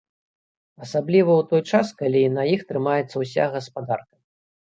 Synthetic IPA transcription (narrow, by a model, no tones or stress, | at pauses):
asablʲivɐwt̪ɔjt͡ʂaskalʲinɐjixt̪ɾɨmajɛt̪sɐwsʲa̰ɣɐspad̪arkɐ̥